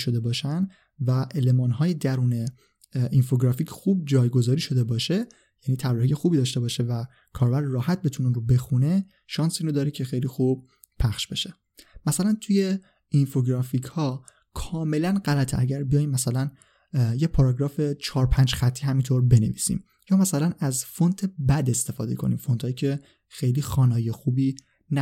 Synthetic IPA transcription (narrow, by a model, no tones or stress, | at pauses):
ʃo̞d̪e̞bɒːʃæn | væʔelemɒːnɦɒːjed̪æɾuːne̞ | ʔinfoɡɾɒficʰxuːb̚d͡ʒɒːjɡo̞zɒːɾiːʃo̞d̪e̞bɒːʃe | jæniːt̪ʰæbɾihijexuːbiːd̪ɒːʃt̪e̞bɒːʃe̞væ | kʰɒːɾbæɾːɒːhæt̪̚be̞t̪ʰuneunɾobe̞xune̞ | ʃɒːnsiːɾod̪ɒːɾicʰe̞xejlixub̥̚ | pʰæxʃb̥e̞ʃe̥ | mæsælænt̪ʰuje̞ | infoɡɾɒficʰhɒː | kʰɒːme̞lænɢælæt̪ʰæɟæɾbijɒjmːæsælæn | jepʰɒɾɒɡɾɒːfe̞t͡ʃʰɒːɾpʰænd͡ʒxæt̪ʰːiːɦæmint̪ʰoɾbe̞ne̞̰viːsḭːm | jɒːmæsælænæzfo̞nt̪ʰebæd̪est̪efɒ̰ːd̪e̞̰kʰo̞̰nḭːmfo̞nt̪hːjiːcʰe̞ | xe̞jliːxɒːnɒːjexuːbiː | næ